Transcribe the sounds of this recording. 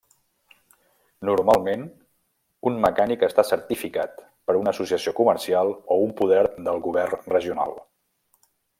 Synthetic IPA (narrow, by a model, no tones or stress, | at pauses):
nuɾmalˠmen | unməkanikəst̪asəɾt̪ifikat̪ | pəɾunəːsusiəsiokuməɾsialˠoumpuðɛɾðəlˠɣuβ̞ɛrnrəʒiuna̰lˠ